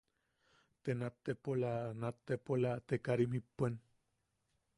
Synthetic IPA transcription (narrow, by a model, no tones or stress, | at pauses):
t̪enat̪ːepolanat̪ːepolat̪ekaɾimipːen